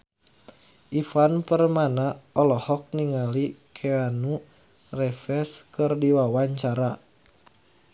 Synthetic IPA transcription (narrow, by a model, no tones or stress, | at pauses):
ʔifanpərmanaɔlɔhɔk̚niŋalikʰeanu | rɛfɛskɨrdiwawaɲt͡ʃaɾa